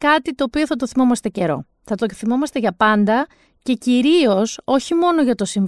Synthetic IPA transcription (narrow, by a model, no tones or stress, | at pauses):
kɐt̪it̪o̞ːpio̞θɐt̪oθimo̞mɐst̪e̞ce̞ɾo̞̰ | θɐt̪oθimo̞mɐst̪e̞ʝɐpɐnd̪ɐ | ce̞ciɾio̞so̞çimo̞no̞ʝɐt̪o̞siɱv